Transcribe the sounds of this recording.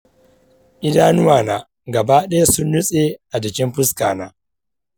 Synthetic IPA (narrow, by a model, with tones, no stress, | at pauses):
ʔɪ˦daː˦nʊ˦waː˨naː˨ | ɡɐ˨ba˦ɗɐ˦ja˦sʊ˦nːʊ˦sʼe˨ʔa˨d͡ʒɪ˨kʲɪ˦mɸʊ˦ska̰ː˨naː˦